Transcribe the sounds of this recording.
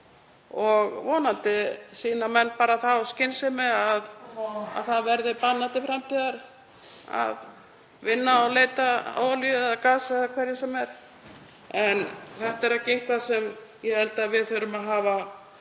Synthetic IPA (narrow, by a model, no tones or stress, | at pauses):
ɔɣvɔːnant̪ɪsiːnamɛnːpaːɾaθawscɪnsɪmɛaða̰ðθaðvɛɾðɪpanːant̪ɪfɾamt̪ʰiːðaɾ | a̰ð | vɪnːaɔleːjt̪aa̰waliððakaːsaakʰvɛɾjɪsɛmɛɾ̥ | ɛnθɛht̪aɛɾacejŋ̥kʰvasɛmjɛhɛlt̪aðvɪðθœɾʏmaðɦaːva